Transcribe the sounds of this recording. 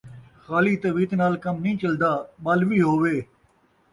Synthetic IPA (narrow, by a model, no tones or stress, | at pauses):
xaːliːt̪ɐʋiːt̪naːlkɐmnĩːt͡ʃəld̪aːɓalʋiːɦoːʋeː